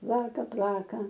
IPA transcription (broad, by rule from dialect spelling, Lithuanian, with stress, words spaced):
ˈplˠɑːkɐ ˈplˠɑːkɐ